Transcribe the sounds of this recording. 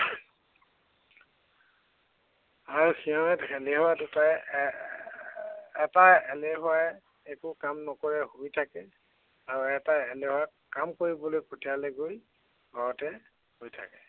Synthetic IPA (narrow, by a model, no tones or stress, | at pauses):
aɹuxʰijɔɛtxʰɛleɦɔaduta | ɛtaɛleɦɔaɛ | ekʊkamnɔkoɹɛhuitʰakɛ | aɹuɛtaɛlehɔa | kamkoɹibɔlojpotijalɛɡoj | baɹɔtɛ | hojtʰa̰kɛ